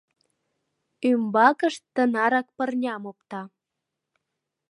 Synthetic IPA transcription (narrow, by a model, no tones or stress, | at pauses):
ymbɑkəʃt̪ːənɑɾɑk̚pərnʲɑmop̚t̪ɑ